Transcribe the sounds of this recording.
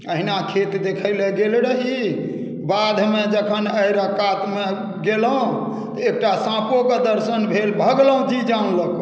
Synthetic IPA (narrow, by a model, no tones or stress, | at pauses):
əɦinakʰet̪d̪ekʰəɪleɡelɾəɦi | bad̪ʱmed͡ʒəkʰənəjɾəkat̪me | ɡeləũ | t̪ɔek̚ʈasãpoked̪əɾsənbʱelbʱəɡləɦũt̪ʰid͡ʒañlək